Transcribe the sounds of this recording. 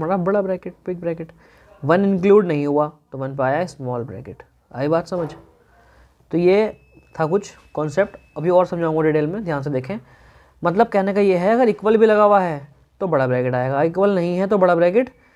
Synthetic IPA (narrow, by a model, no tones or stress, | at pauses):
maːɾabɐɽabɾɛːkɪʈ̚pɪk̚bɾɛːkɪʈ | ʋɐnɪ̃nkluːɖnɐɦĩɦuat̪omɛːnpaːjaɦɛsmɔːlbɾɛ̰ːkɪʈ | a̰ːibaːt̪sɐməd͡ʒʱ | t̪ojeː | t̪ʰakʊt͡ʃʰ | kɔːnsep̚ʈɐbʱiɔːɾsɐ̃md͡ʒʱaːõɡoɖiːʈeːlmẽd̪ʱjaːns̬ed̪eːkʰẽː | mɐt̪̬ləb̚kɛɦnekajeɦɛɐɡəɾɪkʋəlbʱilɐɡaːʋaɦɛ | t̪obɐɽabɾɛːkɪʈaːeːɡaɪkʋəlnɐɦĩɦɛt̪obɐɽabɾɛːkɪʈ